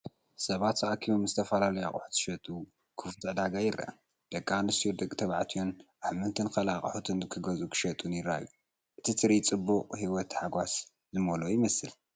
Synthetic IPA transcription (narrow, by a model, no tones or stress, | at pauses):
sɐβat̪zɐʔakʰimomzɨt̪ʰɐfɐlalɐjaχʼʊ̰ħu̥t̪ʰɨ̥ʃɐt̪ʼu | kʰɨft̪ʼɐd̪aɡajɪɾʔa̰ʔa̰ | d̪̥ɐkʼːanɨsijod̪ɐkʼt̪ʰɐβʕat̪ʰionʔahmɨnt̪ʰɨnkɐlaχʼħut̪ʰɨnɨkʰɨɡɐzukʰɨ̥ʃɐt̪ʼunjɪɾa̰ju | ʔɨt̪ʰit̪ʰɨɾit͡sʼɨbːuʔʼhiwɔt̪ħaɡʷas | zɨmɐlojɪmɐsɨl